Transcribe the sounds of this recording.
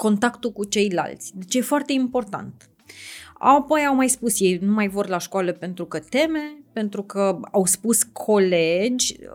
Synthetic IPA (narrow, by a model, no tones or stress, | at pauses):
ko̞nt̪akt̪ulkut͡ʃe̞jla̰lt̪sʲd̪e̞t͡ʃje̞foart̪e̞impo̞rt̪a̰nt̪ | a̰po̞jawmajspusjejnumajvorlaʃkwaləpe̞nt̪ɾukət̪e̞me̞pe̞nt̪ɾukəawspuskʰo̞le̞d͡ʒʲ